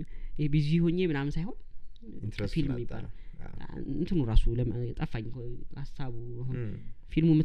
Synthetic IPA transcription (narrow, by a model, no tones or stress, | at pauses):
jebiziihoɲːemɨnamnsajho̞n | filmɛmːiba̰l | ɨnt̪ʰɨnuɾasuləmt̪ʼəfːaɲːkasaβuofilmumɨ